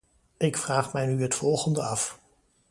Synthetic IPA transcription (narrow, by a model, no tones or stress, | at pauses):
ʔɪkfraːχmɛjnyɦətfɔlˠχəndəɑf